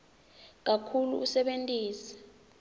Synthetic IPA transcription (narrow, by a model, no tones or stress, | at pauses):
k̬akʰulṵusɛɓentʼiːsɛ̥